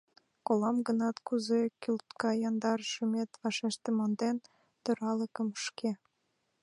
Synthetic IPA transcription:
kolɑmɡənɑt̪kuzekʲylt̪kɑjɑnd̪ɑɾʃəmet̪βɑʃeʃt̪ĕmɑnd̪en | t̪øɾɑləkə̆məʃke

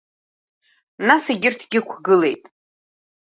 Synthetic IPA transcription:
nasiɡʲɪrtʰɡʲɪkʷʰɡɨle̞jtʼ

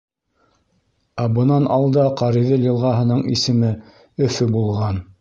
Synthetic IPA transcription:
æbɤ̆nɑnɑlˠd̪ɑqɑɾiðɤlʲĭlˠʁɑɦɤ̆nɤɴḭsɘ̆mɘ | ɵ̆fɵbulˠʁɑn

